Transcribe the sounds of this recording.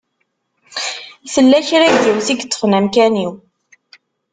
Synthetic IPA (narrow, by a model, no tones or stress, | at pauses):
θəlːæçɾæjðiwθiɡt͡sːə̥χnæmkæniw